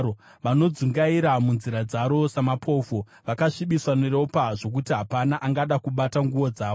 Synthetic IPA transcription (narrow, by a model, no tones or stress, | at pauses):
oʋano̞d͡zuŋɡaiɾamunziɾad͡zaɾo̞samapʰo̞fo | ʋakaʂiɓiswanero̞paʐo̞k̬utiɦapanaʔaŋɡaɗakuɓataŋɡuo̞d͡zaːʋo